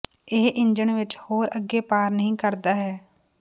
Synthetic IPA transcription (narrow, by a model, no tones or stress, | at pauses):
ɪɦʔɪɲd͡ʒəɳʋɪt͡ʃhoːɾəɡeːpaːɾnəɦĩːkəɾd̪aːɦɛː